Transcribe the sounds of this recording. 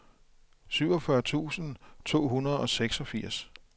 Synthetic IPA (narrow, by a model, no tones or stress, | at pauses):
syʊ̰ɒfɶɐt͡sʰṵːsn̩t͡sʰo̝̰ːɦunɐð̩ˠɒ̽seɡ̥sɒ̽fiɐ̰s